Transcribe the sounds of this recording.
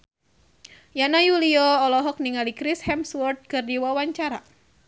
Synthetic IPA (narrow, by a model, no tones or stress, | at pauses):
janajuliɔːlɔɦɔk̚niŋalikɾishɛmswɔrt̪̚kɨrdiwawaɲt͡ʃaɾa